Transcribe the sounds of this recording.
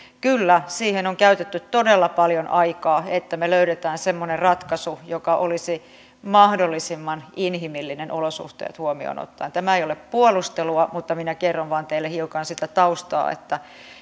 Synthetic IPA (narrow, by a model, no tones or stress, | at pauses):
kylːæsiːhenoŋkæyt̪et̪ːytt̪odelːɑpɑljonʔɑikɑːet̪ːæmeløyɾet̪æːnsemːonerrɑt̪kɑsujokɑʔolisi | mɑhdolːisimːɑninɦimilːinenʔolosṵht̪ḛːt̪huomio̰no̰t̪ːɑint̪æmæejoleppuolust̪eluɑmut̪ːɑminækerːoʋʋɑːnt̪eilːehiukɑnsit̪æt̪ɑust̪ɑ̰ːḛt̪ːæ